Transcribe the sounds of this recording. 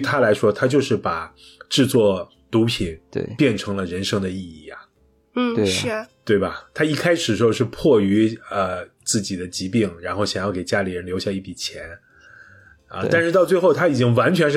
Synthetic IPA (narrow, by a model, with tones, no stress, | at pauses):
t̪ʰa˥la˧˥ɪʂwɔ˥t̪ʰa˥t͡ɕjo˥˧ʊʂɻ̩˥˩pa˨˩ | ʈ͡ʂɻ̩˥˧t͡swɔ˥˩ | t̪u˧˥pʰi˨˩˦n̰˥˩pjɛ˥˩nʈ͡ʂʰɤ˧˥ŋlə˧ɻə˧˥nʂɤ˥ŋd̪ə˨i˥˧i˥˩a˩˥˩ | t̪we˥˩ɪbɐ˨˩t̪ʰa˥i˥˩kʰa˥ɪʂɻ̩˨˩ʂ̩˧˥˧ʊʂɻ̩˥˧pʰwɔ˥˩y˧˥ə˧t͡sɹ̩˥˩t͡ɕi˨˩d̪ə˦t͡ɕi˧˥pi˥˩ŋɻa˧˥nxo˥˩ʊɕjɑ˨˩ŋjɑ˥˩ke˨˩ɪt͡ɕja˥li˨˩ɻə˧˥nljo˧˥ɕja˥˧i˥˩pi˨˩t͡ɕʰjɛ˧˥n | ə̰˧t̪a˥˧nʂɻ̩˥˧t̪ɑ˥˧ʊt͡swe˥˧ɪxo˥˩ʊt̪ʰa˥i˨˩t͡ɕi˥ŋwa˧˥nt͡ɕʰɥɛ˧˥nʂ